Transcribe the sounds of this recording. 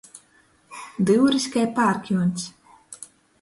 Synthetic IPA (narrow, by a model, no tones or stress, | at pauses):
d̪ɨwɾisʲkajpaːɾkʲunsʲ